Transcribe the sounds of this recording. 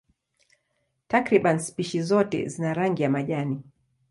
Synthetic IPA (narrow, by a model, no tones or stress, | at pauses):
takɾiɓanspiʃizɔtɛ̰zinaɾaŋɡijamaʄani